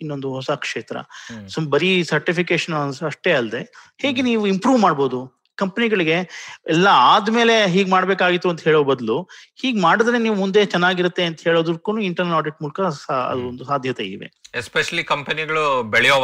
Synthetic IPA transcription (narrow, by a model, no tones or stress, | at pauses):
inːo̞nd̪uɦɔsɐkʂeːt̪ɾɐ̰sbɐɾisɐɾʈipikeːʃɐnɐʂʈe̞ːɐld̪e̞heːɡeniːʋuimpɾuːʋmaːɖbo̞ːd̪u | kɐmpeniɡɐɭiɡe̞ɛlːɐaːd̪me̞ːle̞ɦiːɡmaːɽbeːkaːɡit̪ːuɐnt̪ɐɦeːɭoːbɐd̪luhiːɡmaːɽid̪ɾeniːʋumund̪e̞t͡ʃɛnːaːɡiɾɐt̪ːe̞ɐnt̪ɐɦe̞ːɭoːd̪ɾkːuːnuːiɳʈɐɾnɐlaːɾɖiʈ̚muːlɐkɐsɐ̰d̪ond̪usaːd̪ʱjɐt̪eid̪iʋḛespeʃɐlikɐmpɐniɡɐɭubeɭɛjoː